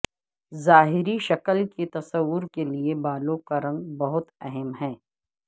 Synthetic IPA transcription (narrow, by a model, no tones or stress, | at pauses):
zaːɦɪɾiʃɐkəlket̪ɐsəʋːʊɾkeliebaːloːkaɾɐ̃ŋɡbɐɦʊt̪ɛɦɛmɦɛ̃ː